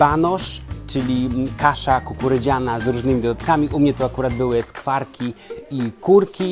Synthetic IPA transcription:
banɔʂt͡ʂɘlʲikaʂakukuɾɘd͡ʑanazɾuʐnɘmʲid̪ɔd̪at̪kamʲiʔumɲɛt̪ɔakuɾad̪̚bɘwɘskfaɾkʲiikuɾkʲi

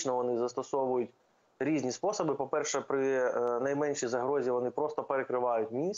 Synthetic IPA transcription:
t͡ʃnɔʋɔnɪzɐst̪ɔsɔʋʊjʊtʲ | ɾʲizʲnʲispɔsɔbɨpɔpɛrʃɛpɾɪnɐjmɛnʲʃizɐɦɾɔzʲiʋɔnɪpɾɔst̪ɔpeɾekɾɪʋɑjʊtʲmʲis

